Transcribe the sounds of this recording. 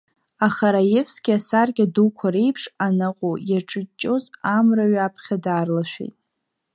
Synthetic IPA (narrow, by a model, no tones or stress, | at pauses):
aχaɾajefsɡʲɪasarɡʲadukʷʰaɾe̞jpʰʂanaqʼujaʈ͡ʂʼɨt͡ʃʼːo̞zamraɥapʰχʲadarlaʃʷᶣḛjtʼ